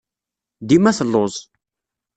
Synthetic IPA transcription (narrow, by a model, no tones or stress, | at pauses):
d̪imæθlːozˤ